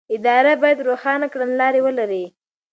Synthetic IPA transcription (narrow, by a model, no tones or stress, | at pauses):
ɪd̪ɑɾabɑjad̪ɾoxɑnakɽanlɑɾewəlaɾi